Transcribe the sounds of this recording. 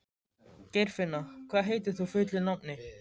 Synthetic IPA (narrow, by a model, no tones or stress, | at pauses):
cɛjɾ̥fɪnːakʰvaːðɦejt̪̬ɪɾ̥θufʏht̪lɪnamnɪ